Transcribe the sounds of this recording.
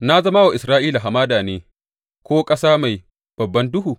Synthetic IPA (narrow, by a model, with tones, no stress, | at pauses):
na˦zɐ˦ma˦wa˨ʔɪ˨sɾaː˦ʔiː˦la˨ɦa˨maː˦daː˨neː˦ | kʷoː˦kʼɐ˦saː˦ma˨j | b̥ɐ˨bːɐ˦ndʊ˦ɦuː˨